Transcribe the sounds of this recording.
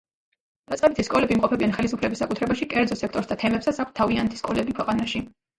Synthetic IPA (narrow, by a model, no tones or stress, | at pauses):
d̪̥at̪sʼɛbit̪ʰiskʼɔlɛbimqʼɔpʰɛbianχɛlisupʰlɛbisːakʼut̪ʰɾɛbaʃikʼɛɾd̪zɔsɛkʰt̪ʼɔɾsd̪at̪ʰɛmɛpsat̪sʰak̚ʰt̪t̪ʰːavianɛt̪ʰi̥skʼɔlɛbikʰwɛqʼanaʃi